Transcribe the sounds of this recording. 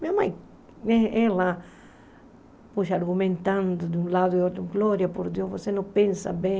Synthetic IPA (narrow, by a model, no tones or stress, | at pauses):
mĩamaj | neela | puʃaɾɡumẽnt̪ãnd̪ʊd̪ũlad̪ʊeot̪ɾũŋɡloɾjapoɾd̪jovosenõpẽnsa̰bẽ